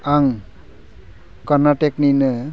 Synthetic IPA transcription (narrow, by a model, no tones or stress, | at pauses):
aŋ | kɔɾnaʈekninɯ